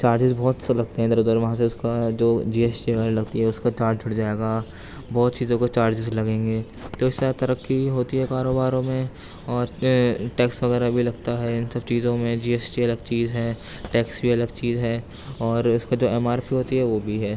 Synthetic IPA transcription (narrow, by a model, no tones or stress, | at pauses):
t͡ʃaːɾd͡ʒɪzbɔːt̪lɐɡ̚t̪eɦɛ̃d̪ɐɾuːd̪əɾʋɐɦãseʊskad͡ʒoːd͡ʒiːeːsʈiʋɐɣɛːɾalɐɡt̪iɦɛʊskat͡ʃaːɾd͡ʒʱʊɽd͡ʒaːeːɡa | bɔːt̪t͡ʃiːzõkot͡ʃaːɾd͡ʒɪzlɐɡẽːŋɡeː | t̪oɪsːat̪ɐɾəkːiɦoːt̪iɦɛkaːɾoːbaːɾõmẽ | ɔːɾʈɛːksʋɐɣɛːɾabʱilɐɡt̪aɦɛɪnsɐb̚t͡ʃiːzõmẽd͡ʒiːeːsʈiɐləɡt͡ʃiːzɦɛː | ʈɛːksbʱiɐləɡt͡ʃiːzɦɛː | ɔːɾʊskad͡ʒoːɛːmaːɾpiɦoːt̪iɦɛʋoːbʱiɦɛː